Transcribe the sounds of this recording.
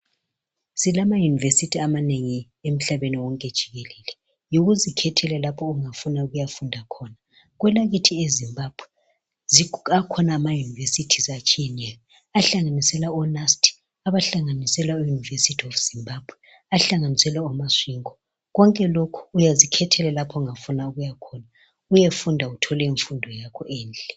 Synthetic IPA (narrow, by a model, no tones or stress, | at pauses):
silamajunivesitʰiamaneŋi | em̩ɬaβeniwɔŋkʼed̥ʒ̥ʱiɣelɛːlɛ | joɣuzikʰɛtʰɛlɛlapʰɔuŋafunauɣujafundʱakʰɔna | ɣwɛlaɣitʰiezimbab̥ʱwɛ | ziakʰɔnaːmajunivesitʰizat͡ʃʰʼijɛnɛjɔ | aɬaŋanisɛlaɔnastʰi̥ | aβaɬaŋanisɛlaujunivesitʰiɔfz̥imbab̥ʱwɛ | aɬaŋanisɛlɛɔmasiːŋɔ | ɣɔŋkʼɛlokʰu̥ujazikʰɛtʰɛlɛlapʰɔŋafunauɣujakʰɔna | ujefundʱautʰɔlɛiɱfundʱɔjakʰɔʔɛːnd͡ɮɛ